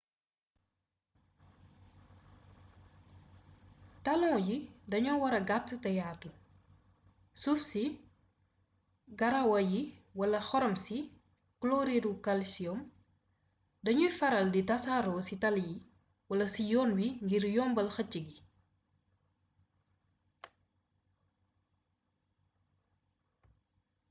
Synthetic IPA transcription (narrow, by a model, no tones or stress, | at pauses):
tɐlɔ̃ːjidɐɲɔwɐɾɐɡatːtɐjaːtu | sufsi | ɡɐɾɐwɐjiwɐlɐxɔɾɔmsi | klɔːɾiɾukɐlsijɔm | dɐɲufɐɾɐlditɐsaːɾɔsitɐlji | wɐlɐsijɔːnwiŋɡiɾjɔːmbɐlxɐt͡ʃːiɡi